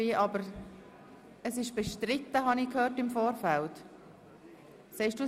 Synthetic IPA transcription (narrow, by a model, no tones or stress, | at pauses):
iʔɑbəɾ | əsɪʃb̥ɛʃtɾɪt̪ːəɦɑnikhøːrtɪmfoːɾfælt | sɛɪʃd̥uː